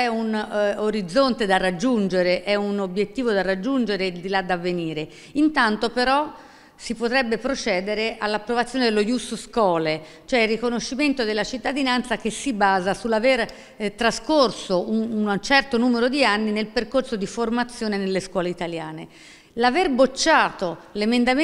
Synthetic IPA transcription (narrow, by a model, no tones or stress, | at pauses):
ɛunoɾid̪zːont̪ed̪arːad͡ʒːund͡ʒeɾeʔɛunobjet̪ːiːvod̪arad͡ʒːund͡ʒeɾeld̪ilad̪ːavːeniːɾe | int̪ant̪opeɾɔ | sipot̪ɾɛbːepɾot͡ʃɛːd̪eɾeʔalːapːɾovat̪sːjoːned̪elːojusskɔːle | t͡ʃoɛilːikonoʃːiment̪od̪elːat͡ʃit̪ːad̪inant̪sak̟esːibaːzasulːaver | t̪ɾaskorsoʔunt͡ʃɛrt̪onuːmeɾod̪ianːinelperkorsod̪iformat̪sːjoːnenelːeskwɔːleit̪aljaːne | laverbot͡ʃːaːt̪olemend̪am